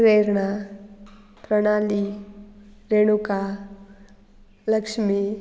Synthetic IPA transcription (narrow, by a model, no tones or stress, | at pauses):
ɾeːɾɳa | pɾɐɽ̃aːli | ɾeːɽ̃uka | lɐkʂmi